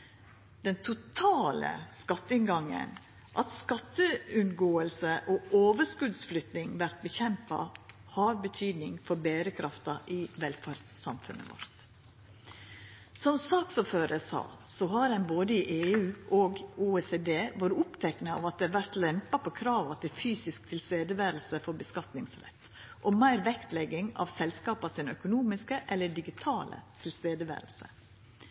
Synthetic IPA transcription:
d̪̥ɛnt̪ʰʊt̪ʰɑːlə̰skɑt̪ːəɪnɡɑŋːə̰n | ʔɑt̪skɑt̪ːəʉnɡoːəlsəʔɔʔoːʋəskʉd̪sflʏt̪nɪŋʋæɾt̪̚bəçɛmpɑ̰ | hɑɾbət̪ʰyːd̪nɪŋfɔɾbeːɾəkʰɾɑft̪ɑʔɪʋɛlfæɾd̪ssɑ̰mfʉnːə̰ʋɔ̰ɾt̪ | sɔmsɑːksɔføːɾəsɑ̰ːsɔhɑɾɛnboːd̪əɪʔeːʉːʔoɡuːeːseːd̪eːʋoːɾəʊpt̪ʰɛknəɑ̰ʋɑt̪̚d̪ɛʋæɾt̪lɛmpɑpʰɔkʰɾɑːʋɑt̪ʰɪlfyːsɪsk̚t̪ʰɪlst̪eːd̪əʋæːɾəlsəfɔɾbəskɑt̪nɪŋsɾɛ̰t̪ː | ʔɔmæɪɾʋɛkt̪lɛɡɪŋɑ̰ʋsɛlskɑːpɑsɪnœkʊnuːmɪskəʔɛlːəɖɪɡɪt̪ʰɑːlə̰t̪ʰɪlst̪eːd̪əʋæ̰ːɾəlsə̰

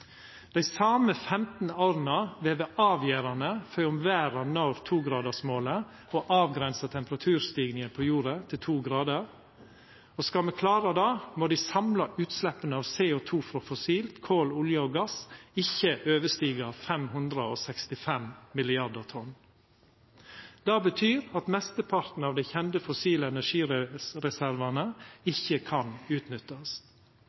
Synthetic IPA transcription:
d̪̥æɪsɑːməfɛmt̪n̩oːɾn̩ɑʋeːʋəʔɑːʋjæːɾɑnəfœʏʊmʋæːɾɑnɑɾt̪ʰuːɡɾɑːd̪əsmoːlə | oːʔɑːʋɡɾɛnsɑt̪ʰɛmpəɾɑt̪ʰʉːɾst̪iːɡnɪŋənpʰojuːɾət̪ʰɪlt̪ʰuːɡɾɑːd̪əɾ | oːskɑlmɛkʰlɑːɾəd̪ɑːmoːd̪iɪsɑmlɑʔʉːt̪slɛpənəɑːʋseːʊt̪ʰuːfɾɔfɔsiːlt̪kʰoːlʊljəoːɡɑsɪçəʔøːʋəʂt̪iːɡəfɛmhʉnd̪ɾəoːsɛkst̪ɪfɛmmɪlɪɑɾd̪əɾt̪ʰɔn | d̪̥ɑːbət̪ʰyːɾɑt̪mɛst̪əpʰɑɾt̪n̩ɑːʋd̪ɛɪçɛnd̪əfɔsiːləɛnæʂiːɾɛɾɛsæɾʋɑnəɪçəkʰɑnʉːt̪nʏt̪ːɑs

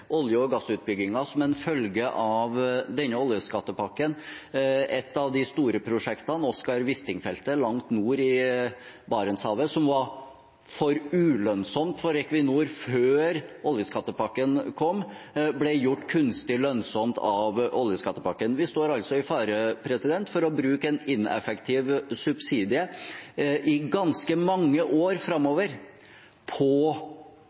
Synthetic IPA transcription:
ʔɔljəɔɡɑsːʉːt̪̚bʏɡɪŋɑsɔmɛnfœlɡəʔɑʋd̪ɛnːəɔljəskɑt̪ːəpʰɑkːən | ʔɛt̪ːɑʋd̪ɪst̪uːɾəpʰɾʊʂɛkt̪ɑnɔskɑɾʋɪst̪ɪŋfɛlt̪əlɑŋt̪nuːɾɪ | bɑːɾənshɑːʋəsɔmʋɑɾ | fɔɾʉːlœnsɔmt̪fɔɾɛkʋɪnuːɾføːɾɔljəskʰɑt̪ːəpɑkːənkʰɔmːblɛjʊʈːkʰʉnst̪ɪlœnsɔmt̪ʰɑʋʔɔljəskɑt̪ːəpʰɑkːənʋɪst̪oːɾɑlt̪sɔɪfɑːɾəpʰɾɛsɪd̪ɛnt̪fɔɾɔbɾʉːkəɛnɪnɛ̰fɛkt̪ʰiːʋsʉbsiːd̪ɪə | ʔɪɡɑnskəmɑŋːəʔoːɾfɾɑmːoːʋəɾ | pʰɔ

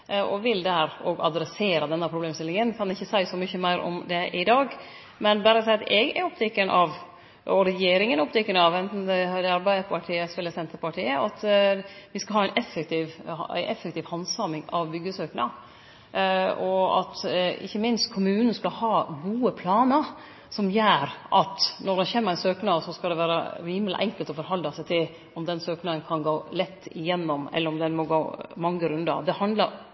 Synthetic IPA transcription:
ɔʋɪld̪ɛhæːɾɔɡɑd̪ɾɛseːɾɑd̪ɛnːəpʰɾʊbleːmst̪ɪlɪŋənkʰɑnɪçːəsæɪsɔmʏçəmæɪɾʔɔ̰md̪ɛʔɪd̪ɑːɡ | mɛnbæːɾəsæɪɑt̪ɛɡɛ̰ɾɔpːt̪ʰɪkːəɳʔɑʋ | ɔɾɛjeːɾɪŋənɔpt̪ʰɪkːəɳɑʋɛnt̪n̩ɛd̪ɛɑɾbæɪəpɑʈʰiːəsɛlːəsɛnt̪əɾpɑʈʰiːəɑt̪ʋɪskɑɦɑːæɪnʔɛfːɛk̚t̪ɪʋæ̰ɪʔɛfːɛkt̪iːʋhɑnsɑmɪŋɑʋbʏɡːəsøːknɑ | ɔɑ̰t̪ɪ̰çːəmɪnst̪kʰʊmʉːnən̩skɑhɑːɡuːəpʰlɑːnəɾ | sɔmjøːɾʔɑt̪nɔd̪ɛçeːməɾæɪnsøːknɑːsɔskɑd̪ɛʋæːɾə̰ɾiːməlʔɛ̰ŋkəlt̪ɔfɔɾɦɑld̪ɑsæɪt̪ʰɪl | ɔmd̪ɛnsøːknɑːənkʰɑnɡoːlɛt̪ːɪ̰jɛnːɔmɛ̰lːəɾɔmd̪ɛnmɔɡoːmɑŋːəɾʉnd̪ɑ̰d̪ɛhɑnd̪lɑɾ

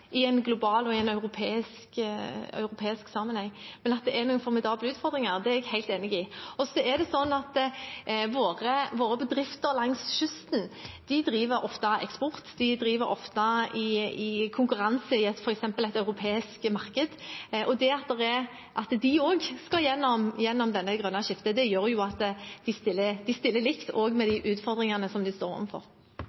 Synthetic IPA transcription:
ɪɛnɡlʊbɑːlɔɪɛnɑʉɾʊpʰeːɪskœ̰ʉɾʊpʰeːɪsksɑːmənhɛŋːmɛnɑt̪̚d̪ɛʔɛɾnʊːnfɔʁmɛd̪ɑːbləʉːt̪fɔɾd̪ɾɪŋɑɾd̪ɛæɛɡhæɪlt̪eːnɪɡɪɔsɔɛd̪ɛsɔnːɑt̪ | ʋoːʁəʋoːɾəbəd̪ɾɪft̪əɾlɑŋsʃʏst̪n̩d̪̥ɪd̪ɾiːʋəɾɔft̪ɑɛ̰kspɔɾt̪d̪ɪd̪ɾiːʋəɾɔ̰ft̪ɑɪɪkʰʊŋkʉɾɑnsəɪɛt̪fɔɾɛksɛmpəlɛt̪ɑʉɾʊpʰeːɪskmɑʁkəd̪ʔɔd̪ɛɑt̪̚d̪ɛɾɛ | ʔɑt̪d̪ɪoːɡskɑjɛnːɔmjɛnːɔmd̪ɛnːəɡʁœnːɑʃɪft̪əd̪ɛjøːɾjʊɑt̪d̪ɪst̪ɪlːəd̪ɪst̪ɪlːəlɪkt̪ʰoːɡmɛd̪ɪʔʉːt̪fɔɾd̪ɾɪŋɑnəsɔmd̪ɪst̪oːɾɔ̰ʋ̩fɔ̰ɾ

